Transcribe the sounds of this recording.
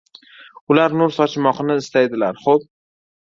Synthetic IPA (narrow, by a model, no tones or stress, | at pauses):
ʊlaɾnʊɾsɒt͡ʃʰmɒqɨnɪːst̪ajd̪ɪlaɾχob̚